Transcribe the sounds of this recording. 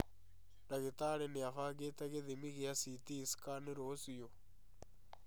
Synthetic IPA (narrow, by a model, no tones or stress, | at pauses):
ɾaɣetaɾeneafaːɡetaɣeðimiɣeasitisi̥kaneɾosio